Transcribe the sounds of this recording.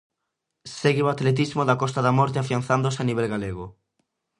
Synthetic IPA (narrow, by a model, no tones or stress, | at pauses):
seɣewat̪let̪̬izmoðakɔst̪aðamɔɾt̪eafianθand̪osaniβ̞ɛlɣaleɣ̞o